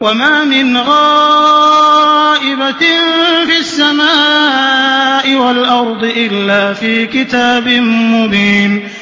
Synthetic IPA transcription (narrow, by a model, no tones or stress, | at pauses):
wamaːmɪnɣaː | ʔɪba | fisːamaː | ʔɪwalʔɑɾˤd̪ˤɨʔɪlːaːfiːkɪt̪aːbɪmmʊðiːm